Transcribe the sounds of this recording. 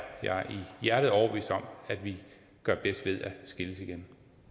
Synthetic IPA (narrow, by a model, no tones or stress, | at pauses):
jɑ̰ʔijæɐɾ̥ð̩ˠɒʊ̰ɐʋḭːsd̥ɒ̽mæd̥ʋi | ɡ̥ɶɐb̥esd̥ʋe̝ð̞ˠæsɡ̥iləsiɡ̥en